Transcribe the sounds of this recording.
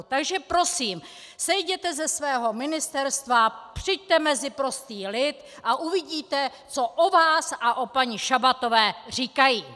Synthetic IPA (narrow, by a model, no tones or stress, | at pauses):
t̪aɡʒɛpɾo̞siːm | sɛjɟɛt̪ɛzɛsvɛːɦo̞mɪnɪst̪ɛɾst̪vapr̥ɪjɟ̚t̪ɛmɛzɪpɾo̞st̪iːlɪt̪ | ʔaʔuvɪɟiːt̪ɛ | t͡so̞ʔovaːsʔaʔo̞paɲɪʃabat̪o̞vɛːr̝iːkajiː